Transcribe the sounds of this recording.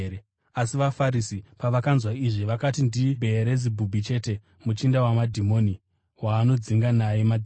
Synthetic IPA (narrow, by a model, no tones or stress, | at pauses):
e | asiʋafaɾisipaʋakanzwaiʐiʋakatindibʱe̞ːɾe̞zibʱubʱit͡ʃe̞ːte̞ | mut͡ʃindawamadʱimo̞ːni | waːno̞d͡ziŋɡanajemadʱ